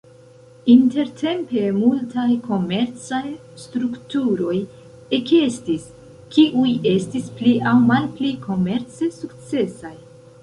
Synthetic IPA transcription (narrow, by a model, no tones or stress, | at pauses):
inte̞ɾtʰe̞mpe̞multajkʰo̞me̞ɾt͡saj | stɾuktuɾo̞j | ekestis | kiʔuje̞stispliʔawmalplikʰo̞me̞ɾt͡se̞sukt͡se̞saj